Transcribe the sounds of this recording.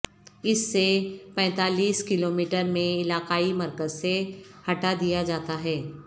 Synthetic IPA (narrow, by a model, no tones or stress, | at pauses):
ɪsːepɛ̃ːt̪aːliːskɪloːmiːʈəɾmẽɪlaːqaːimɐɾkəzsehɐʈad̪ijad͡ʒaːt̪aɦɛː